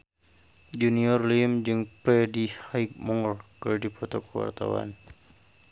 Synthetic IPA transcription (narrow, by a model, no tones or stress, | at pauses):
d͡ʒuniɔrlimd͡ʒɨŋpɾɛdihajk̚mɔŋrkɨrdipʰɔt̪ɔkəwa̰rt̪a̰wa̰n